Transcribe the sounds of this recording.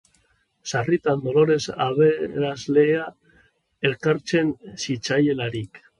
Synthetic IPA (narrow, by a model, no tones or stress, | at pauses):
sarit̪and̪o̞lo̞ɾe̞sa̰βeɾazlea | elkaɾt͡se̞nsit͡ʃajelaɾik